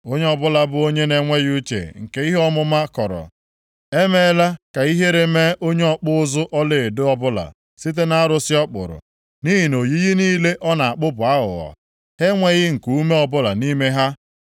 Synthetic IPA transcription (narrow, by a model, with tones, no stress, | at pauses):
o˦ɲe˦ɔ˦bʊ˦la˨bʊ˦o˦ɲe˦ne˨ŋʷe˦ju˦t͡ʃḛ˨ŋ̩˨ke˦i˦ɦɔ˦mʊ˦ma˦kɔ̰˨ɾɔ̰˨ | e˦me˦la˦ka˨i˦ɦe˦ɾe˨me˦ʔo˦ɲe˦ɔ˦˨k͡pʊ˦ʊ˦zʊ˦ʔɔ˦le˨dʊ˦ɔ˦bʊ˦la̰˨ | si˦t̬e˦na˦ɾʊ˨sɪ˦ɔ˦k͡pʊ̰˨ɾʊ̰˨ | ni˦ɦi˨no˨ji˦ɣi˦niː˦le˦ʔɔ˦na˨a˨k͡pʊ˦bʊ˨a˦ɦʊ̰˨ɣɔ̰˨ | he˦ŋʷe˦ɣɪ˦ŋ̩˨ku˨u˦me˦ɔ˨bʊ˦la̰˨ni˦me˦ɦa˦